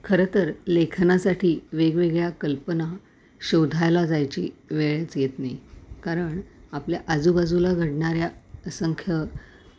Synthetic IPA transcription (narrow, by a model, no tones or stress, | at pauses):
kʰəɾət̪əɾlekʰnasaʈʰiːʋeɡʋeɡɭjakəlpəna | ɕod̪ʱajlad͡zajt͡ɕḭːʋeɭjət͡sjet̪najkaɾəɳapljaʔad͡zubad͡zulaɡʱəɽɳaɾjasəŋkʰjə